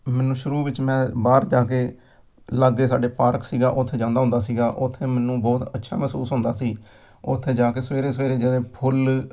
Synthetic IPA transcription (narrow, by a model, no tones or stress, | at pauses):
mɛːnũːʃʊɾuːʋɪt͡ʃmɛ̃ːbaːɾd͡ʒaːkeː | ləɡeːsa̰ːɖeːpaːɾksiːɡaːʔʊt̪ʰːeːd͡ʒãːnd̪aːɦʊnd̪aːsiːɡaːʔʊt̪ʰːeːmɛːnũːbɔːt̪ətːʃʰa̰ːmɛːsuːsɦʊ̃nd̪aːsiː | ʊ̰t̪ʰːeːd͡ʒaːkeːsʋeːɾeːsʋeːɾeːd͡ʒeːleːpʰʊl